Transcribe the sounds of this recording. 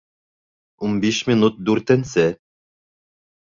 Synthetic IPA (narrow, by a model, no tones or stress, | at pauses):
umbiʃmʲinut̪̚d̪uɾt̪ɛnsɛ